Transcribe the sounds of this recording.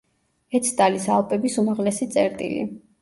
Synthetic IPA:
ɛt̪sʰt̪ʼalisalˠpʼɛbisumaʁlɛsit̪sʼɛɾt̪ʼḭlḭ

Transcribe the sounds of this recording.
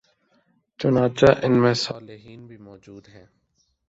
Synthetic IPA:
t͡ʃʊnaːt͡ʃaːʔɪnmẽːsaːlɪɦiːnbʱimɔːd͡ʒuːd̪ɦɛ̃ː

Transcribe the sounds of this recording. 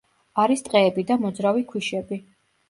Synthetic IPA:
aɾist̪ʼqʼɛːbid̪amɔd̪zɾavikʰwiʃɛbi

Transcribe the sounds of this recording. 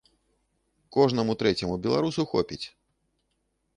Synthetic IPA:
kɔʐnɐmut̪ɾɛt͡sʲɛmubʲɛlˠaɾusuxɔ̰pʲit͡sʲ

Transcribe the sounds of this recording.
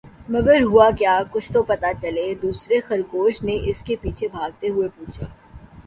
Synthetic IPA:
mɐɡəɾɦʊakjaːkʊt͡ʃʰt̪opɐt̪at͡ʃɐled̪uːsɾexɐɾkoːʃneʔɪskepiːt͡ʃʰebʱaːɡ̚t̪eɦʊepuːt͡ʃʰeː

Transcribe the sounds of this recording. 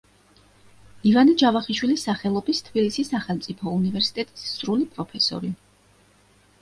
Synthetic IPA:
ivanid͡ʒavaχiʃwilisːaχɛlˠɔbist̪ʰb̥ilisisːaχɛlˠmt̪sʼipʰɔunivɛɾsi̥t̪ʼɛt̪ʼi̥sːɾulipʼɾɔpʰɛsɔ̰ɾi

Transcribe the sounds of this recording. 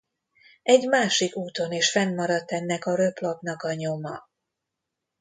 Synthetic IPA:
ɛɟmaːʃikuːt̪o̞neːʃfɛnːɒɾɒt̪ːɛnːɛkɒɾøplopnɒkɒɲo̞mɒ

